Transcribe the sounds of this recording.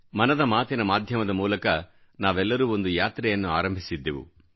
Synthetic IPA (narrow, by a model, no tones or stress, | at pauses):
mɐnɐd̪ɐmaːt̪inɐmaːd̪ʱjɐmɐd̪ɐmuːlɐkɐ | naːʋɛlːɐɾuːo̞nd̪ujaːt̪ɾɛjɐnːua̰ːɾɐmbʱisid̪ːeʋṵ